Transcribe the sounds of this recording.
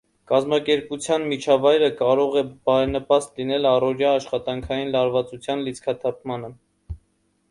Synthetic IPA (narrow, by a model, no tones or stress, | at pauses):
kɑzmɑkɛɾput͡sʰjɑnmit͡ʃʰɑvɑjɾəkɑɾɔʁɛbɑɾɛnəpɑst̪linɛlɑrɔɾjɑːʃχɑt̪ɑŋkʰɑjinlɑɾvɑt͡sut͡sʰjɑnlit͡sʰkʰɑt̪ʰɑp̚ʰmɑnə